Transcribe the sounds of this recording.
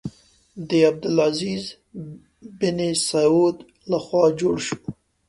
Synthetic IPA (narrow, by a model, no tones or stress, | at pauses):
d̪əab̚d̪ʊlaziz | bɪnesaod̪ | laxwɑd͡ʒoɽʃu̥